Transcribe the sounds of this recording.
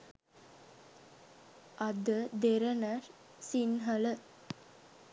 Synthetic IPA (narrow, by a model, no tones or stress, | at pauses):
ɐd̪əd̪eɾɐnɐɾ | sinɦɐlə